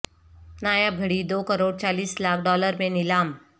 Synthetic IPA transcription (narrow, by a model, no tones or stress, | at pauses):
najaɡʱəɽiːd̪okəɾoːɽt͡ɕaliːslakʰɖɔləɾmẽnilam